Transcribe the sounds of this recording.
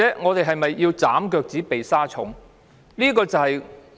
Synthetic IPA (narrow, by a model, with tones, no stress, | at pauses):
ɛː˨˥ŋɔː˨˧t̪e˨jɦɐ˨jmɐ˨jːiː˧wt͡sa̰ː˨˥mkœː˧k̚t͡siː˨˥pe˨jsaː˥t͡sʰʊ̰˨˥ŋ | liː˥kɔː˧t͡sɐ˨hɐ˨j